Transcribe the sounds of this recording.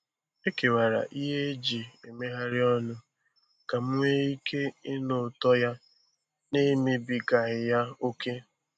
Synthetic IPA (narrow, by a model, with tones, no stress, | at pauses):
e˦ke˨wa˨ɾa̰˨ʔi˦ɦe˦d͡ʒi˨e˨me˦ɦa˦ɾɪ˦ɔ˦nʊ˦ | ka˨m̩˦ŋʷe˦i˦kʰe˦ɪ˦nʊ˨tɔ˦ja˦ | ne˦mi˦bi˨ɡa˨ɣɪ˨ja˦o˦kʰe˦